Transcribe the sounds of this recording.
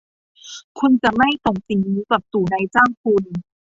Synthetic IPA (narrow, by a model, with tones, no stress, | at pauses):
kʰu˧nt͡ɕa˨˩ma˥˩jt̪o˨˩ŋsi˨˩ŋniː˧˥pa˨˩p̚t̪uː˨˩na˧jt͡ɕaː˥˩ŋkʰu˧n